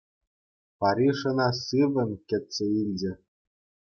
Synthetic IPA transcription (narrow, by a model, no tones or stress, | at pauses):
pɑɾʲiʂɤ̆nɑsɯʋʲɘ̆nʲkʲɘ̆t̪ʲsʲĕilʲd͡ʑɘ̆